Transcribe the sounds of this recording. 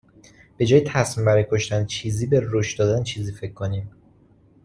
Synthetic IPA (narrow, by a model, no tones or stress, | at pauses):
b̥e̞d͡ʒɒːjet̪ʰæsmiːmbæɾɒjekʰo̞ʃt̪ænt͡ʃʰiːziːbeɾoʃd̪ɒːd̪ænt͡ʃʰiːziːfe̞cʰːoniːm